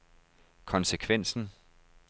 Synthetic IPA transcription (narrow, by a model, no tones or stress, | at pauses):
kʰɒ̽nsəkʰʋen̰sn̩